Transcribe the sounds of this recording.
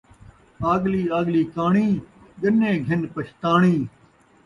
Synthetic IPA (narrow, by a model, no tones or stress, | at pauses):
aːɠliːaːɠliːkaːɳiː | ɡənẽːɡʱɪnpəʃt̪aːɳiː